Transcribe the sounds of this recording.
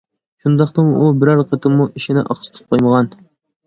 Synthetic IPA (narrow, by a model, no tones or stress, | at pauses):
ʃund̪ɑχt̪ɨŋubɪɾɑɾqʰət̪ʰɨmːuʔiʃinɪ̰ʔɑ̰χsɨ̥t̪ʰɨ̥p̚qʰojməʁɑn